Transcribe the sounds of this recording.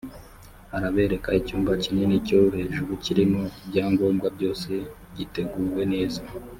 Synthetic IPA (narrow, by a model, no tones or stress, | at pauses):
aɾaβe̞ːɾe̞kaicuːmvaciɲe̞nico̞βuhe̞ːʒuɾuciɾimo̞bɟaːŋɡo̞ːmɡwabɟo̞ːse̞ | ɟite̞ɡuːɾwe̞ne̞ːza